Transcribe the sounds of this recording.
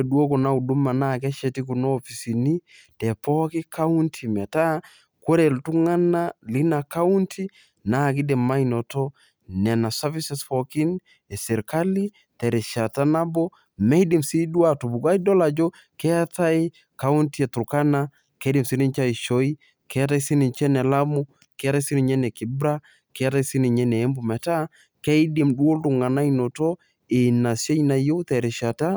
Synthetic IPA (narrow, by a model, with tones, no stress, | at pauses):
du˦o˦ko˨na˦u˨du˦ma˨nakɛ˦ʃɛ˨ti˦k̬u˨noː˦fi˨si˨ni˦ | tɛ˨pɔki˦ka˦u˦ntʰimɛ˨ta˦ | ko˦ɾe˨ltu˦ŋa˦na˦li˦na˨ka˦u˦ntʰi˦ | na˦k̬i˦dɛ˨ma˦ino˨tɔ˦ | nɛ˨na˨savisɛsfɔki˦n | ɛ˨sɛ˨ɾka˦li˦ | tɛ˨ɾɛ˨ʃa˨ta˦na˦bo˦ | mɛ˦di˨msi˦du˦a˨tu˨bu˨ɡa˦i˦dɔ˦la˨d͡ʒo˦ | kɛ˦a˦ta˦ɪ˦ | ka˦u˦nti˦ɛ˨tu˨ka˦na˦ | kɛ˦di˨msi˦ni˦nt͡ʃa˦i˨ʃo˦i˦ | kɛ˦a˦ta˦i˦si˦ni˨nt͡ʃɛ˦nɛ˨la˦mu˦ | kɛ˦a˦ta˦si˦ni˨ɲɛ˦nɛ˨ki˨bɾa˦ | kɛ˦a˦ta˦i˦si˦ni˨ɲɛ˦nɛ˨ɛ˦mbu˨mɛ˨ta˦ | kɛ˦i˦di˨mɗu˦o˦ldu˨ŋɡa˨na˦i˦no˨tɔ˦ | ɪ˨na˨se˦ɲ˦na˨jo˦wtɛ˨ɾɛ˨ʃa˨ta˦